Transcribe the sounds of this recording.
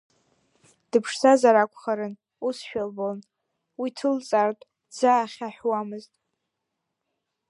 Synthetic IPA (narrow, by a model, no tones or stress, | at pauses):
d̥ɨpʰʂsazaɾakʷʰʼχaɾɨn | usʃᶣalboln | witʰɨlt͡sʼartʼ | d͡zaːχʲaħwamɨztʼ